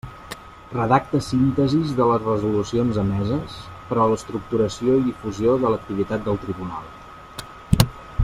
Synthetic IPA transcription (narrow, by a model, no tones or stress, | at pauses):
rəðak̚t̪əsint̪əzizðələzrəzulusionzəmɛzəs | pəɾɔləst̪ɾuk̚t̪uɾəsioiðifuzioðələk̚t̪iβ̞it̪at̪̚d̪əlˠt̪ɾiβuna̰lˠ